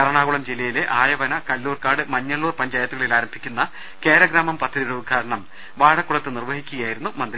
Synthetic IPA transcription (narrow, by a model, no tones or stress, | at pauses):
kɐɾɐɳaːɣuɭɐmd͡ʑilːɐjileʔaːjɐʋɐnɐkɐlːuːrkaːɽɨmɐɲːɐɭːuːrpɐɲd͡ʑaːjɐt̪ːuɣɐɭilaːɾɐmbʱikʲːunːɐ | ke̞ːɾɐɡɾaːmɐmpɐt̪ʰːɐðiuɽeud̪̚ɡʰʱaːɾɐɳɐm | ʋaːɽɐkːuɭɐt̪ːɨnirʋɐhikʲːuɣɐjaːjiɾunːumɐnd̪ɾi